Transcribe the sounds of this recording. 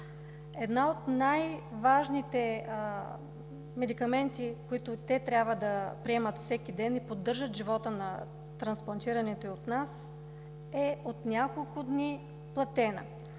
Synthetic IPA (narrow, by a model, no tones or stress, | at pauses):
ɛd̪naot̪najvaʒnit̪ɛ | mɛd̪ikɐmɛnt̪ikoit̪ʊt̪ɛt̪ɾʲjabvəd̪ɐpɾiɛmət̪fsɛkʲid̪ɛnipod̪ːɤɾʒət̪ʒivɔt̪ənɐ | t̪ɾɐnsplˠɐnt̪iɾɐnɛt̪oiot̪nas | ɛot̪nʲjakolˠkʊd̪ni | plˠɐt̪ɛnə̰